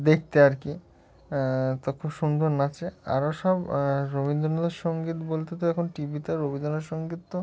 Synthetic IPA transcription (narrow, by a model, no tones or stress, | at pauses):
d̪ek̚ʰt̪eaɾki | t̪okʰubʃund̪ʱoɾnat͡ɕʰea̰ɾoʃɔbɾobind̪ɾonod̪eɾʃɔŋɡit̪bolt̪et̪oɛkʰonʈibit̪aɾobioneɾʃɔŋɡit̪ːo